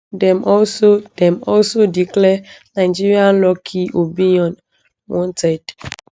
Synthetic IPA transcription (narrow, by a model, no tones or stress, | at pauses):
dɛ̃mʔɔlsodɛ̃mɔlsodiklɛnaɪd͡ʒiɹiãnlɔkʰiʔopĩniɔ̃n | wɔ̃ntɛd̥